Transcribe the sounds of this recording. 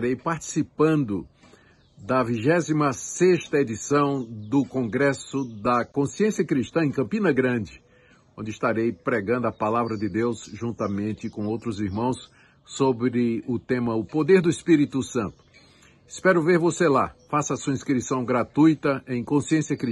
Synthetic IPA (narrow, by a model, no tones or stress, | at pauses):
ɾejpaɾt͡ʃ̪i̥sipɐ̃nd̪ʊ | d̪ɐviʒɛzimɐseʃt̪ɐed͡ʒ̪isɐ̃w̃d̪ʊkõɡɾɛsʊd̪ɐkõsiẽsiɐkɾiʃt̪ɐ̃ẽj̃kɐ̃mpĩnɐɡɾɐ̃d͡ʒɪ | õd͡ʒɪist̪aɾejpɾɛɡɐ̃nd̪ʊɐpalavɾɐd͡ʒ̪ɪd̪ewsʒũnt̪ɐmẽnt̪ɪkõowt̪ɾʊziɾmɐ̃w̃sː | obɾɪʊt̪ẽmɐʊpod̪eɾd̪ʊispiɾit̪ʊsɐ̃nt̪ʊ̥ | ɪspɛɾʊveɾvoselafasɐsuɐĩskɾisɐ̃w̃ɡɾat̪ujt̪ɐẽj̃kõsiẽsijɐkɾi